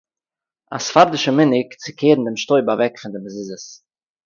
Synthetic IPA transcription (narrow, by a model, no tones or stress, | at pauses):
a̰sfaɾdɪʃəmɪnɪkt͡sɪkʰeːɾn̩dɪmʃtoɪbavɛkfɪndɪməzɪzəs